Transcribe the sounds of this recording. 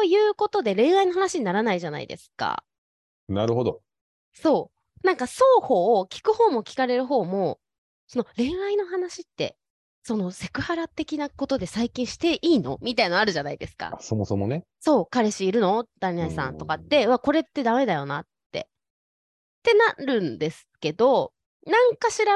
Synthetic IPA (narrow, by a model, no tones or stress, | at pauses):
ojɯ̟ːko̞t̪o̞d̪e̞ɾẽ̞ɰ̃ɰaino̞ɦanaɕiɲ̟inaɾanaiʑana̰ḭd̪e̞̰sɨ̥ka̰ | naɾɯ̟ɦo̞d̪o | so̞ː | nãŋkaso̞ːho̞ːkʲi̥kɯ̟ho̞ːmo̞kʲi̥kaɾe̞ɾɯ̟ɦo̞ːmo̞ | so̞no̞ɾẽ̞ɰ̃aino̞hanaɕit̪ːe̞̰ | so̞no̞se̞̥kɯ̟haɾat̪e̞kʲinako̞t̪o̞d̪e̞saikʲĩɰ̃ɕi̥t̪e̞ʔiːno̞̰mʲit̪ainoaɾɯ̟ʑanaid̪e̞sɨ̥ka̰asomosomone | so̞ːkaɾe̞ɕiːɾɯ̟no̞d̪̥aɲʲiaisã̰nt̪o̞kat̪ːe̞ako̞ɾe̞t̪ːe̞d̪ame̞d̪ajo̞nat̪ːe̞̰ | t̪ːe̞naɾɯ̟̃nd̪e̞sɨ̥ke̞d̪o̞ | nãŋkaɕiɾa